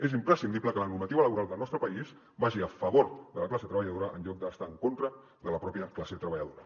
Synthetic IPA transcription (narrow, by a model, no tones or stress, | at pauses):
ezimpɾəsind̪ibpləkələnuɾmət̪iβələβuɾalˠd̪əlˠnɔst̪ɾəpəiz | baʒiəfəβoɾðələklaseət̪ɾəβəʎəðoɾəʔənʎɔk̚d̪əst̪aəŋkont̪ɾə | ðələpɾɔpjəklaset̪ɾəβəʎəðoɾə